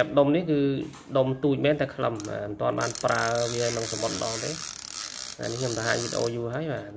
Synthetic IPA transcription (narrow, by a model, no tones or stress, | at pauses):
əp̚ɗomnihkɨː | ɗomt̪uːc̚mɛːnt̪aɛkʰləma̰mənt̪ŏənɓa̰ːnpraəʋiənɨŋsamot̪̚ɗɑlt̪eː | na̰nikʰɲomt̪aɦaːɲʋit̪̚ːḛ̆ʔo̰ːjuəɦaəjɓaː